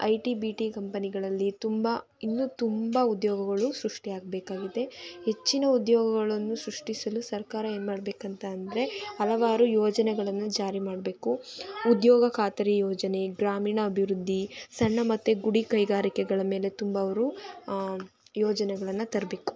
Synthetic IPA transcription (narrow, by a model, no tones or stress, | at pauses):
ɐjʈibiʈikɐmpɐniɡɐɭɐlːit̪umbɐ | inːut̪umbɐud̪jɔːɡɐɡɐɭusɾuʂʈiaːɡ̚beːkaːɡid̪e̞he̞t͡ʃːinɐud̪jɔːɡɐɡɐɭɐnːusɾuʂʈisɐlusɐɾkaːɾɐeːnmaːɽbeːkɐnt̪ɐːnd̪ɐɾe̞ɐlɐʋaːɾujɔːd͡ʒɐnɛɡɐɭɐnːud͡ʒaːɾimaːɽbe̞ːkuud̪jɔːɡɐkʰaːt̪ɐɾijɔːd͡ʒɐne̞ɡɾaːmiːɳɐːbʱiʋɾud̪ʱːisɐɳːɐmɐt̪ːuɡuɽikɐjɡaːɾikɛɡɐɭɐme̞ːle̞t̪umbɐːʋɐɾu | jɔːd͡ʒɐnɛɡɐɭɐnːɐt̪ɐɾɐbe̞ːku̥